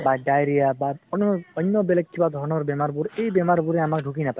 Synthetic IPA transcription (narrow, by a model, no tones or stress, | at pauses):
baɖajɾijabaɔnɔnːɔbelekʰːibad̪ʱɔɾnɔɾbemaɾbuɾejbemaɾbuɾeamakɖʱukinapa